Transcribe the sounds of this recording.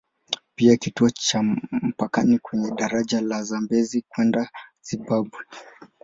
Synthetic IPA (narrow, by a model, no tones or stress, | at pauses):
piakituɔt͡ʃam̩pakanikwɛɲɛɗaɾaʄalazambɛzikwɛndaziɓaɓwɛ